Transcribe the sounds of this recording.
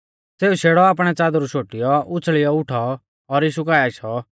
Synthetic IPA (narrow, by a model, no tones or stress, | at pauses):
seːuʃeːɽɔaːp̬ɽ̃ɛt͡saːd̪ɾuʃoːʈɪjɔʊt͡sʰɭɪjɔʊʈʰɔː | ɾiːʃukaːjaɪʃʰɔ